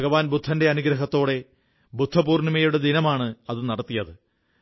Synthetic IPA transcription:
ɐɣɐʋaːnbud̪ʱːɐnde̞ɐnuɡɾɐɦɐt̪ːo̞ːɽe̞ | bud̪ʱːɐbuːrnɐmɐjuɽed̪inɐmaːɳɨɐðɨnɐɽɐt̪ːijɐðɨ

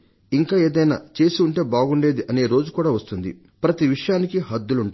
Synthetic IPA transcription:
iŋkaːe̞ːd̪ɐjna̰ːt͡ʃe̞ːsiuɳʈe̞ːbaːɡuɳɖe̞ːd̪iʔɐne̞ːɾo̞ːd͡ʒukuːɽaːʋɐst̪und̪ḭ | pɾɐt̪iʋiʂɐjaːnikiɦɐd̪ːuluɳʈ

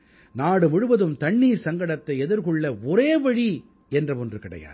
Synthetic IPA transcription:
naːɽɯmʊɻɯʋɐðɯmt̪ɐɳːiːɾsɐŋɡɐɽɐt̪ːɐɪɛðɪɾɣɯɭːɐɔɾeːʋɐɻi | ɛndrɐʋɔndrɯkɪɽɐ̰ja̰ːð

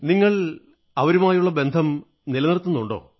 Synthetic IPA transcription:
niŋːɐɭ | ɐʋɐɾumaːjuɭːɐbe̞nd̪ʱɐm | nilɐnirt̪ːunːuɳɖo̞̰ː

